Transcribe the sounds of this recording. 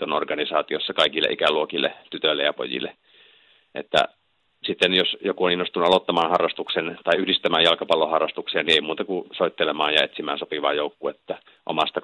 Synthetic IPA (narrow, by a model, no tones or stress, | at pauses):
onorɡɑnisɑːt̪iosːɑkɑikilːḛʔikæluokilːḛt̪yt̪ølːḛjɑpo̰jḭlːˑḛ | ʔḛt̪ːæ̰ | sit̪ːenjosjokuoninːost̪unuɑlot̪ːɑmɑːnhɑrːɑst̪uksent̪ɑiyhdist̪æmæːjjɑlkɑpɑlːohɑrːɑst̪uksiɑnieimuːt̪ɑkusoˑit̪ːelemɑːnjɑet̪simæːnsopiʋɑ̰ːjoukːuet̪ːæ | ʔo̰mɑst̪ɑ